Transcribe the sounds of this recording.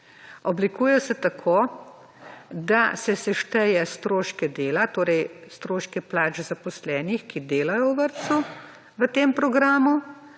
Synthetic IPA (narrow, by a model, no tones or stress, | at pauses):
ɔblikuːjɛsɛt̪akʰoː | d̪asɛsɛʃt̪ɛjɛst̪ɾoːʃkɛd̪eːlat̪oːɾɛjst̪ɾoːʃkɛplaːd͡ʒzapɔslɛːnixkid̪eːlajɔwʋəɾt̪su | ʋət̪eːmpɾɔɡɾaːmu